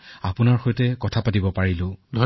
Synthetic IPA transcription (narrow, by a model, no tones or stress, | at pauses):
apʊnaɹxojtɛkɔtʰapatibɔpaɹilʊ̃dʱɔ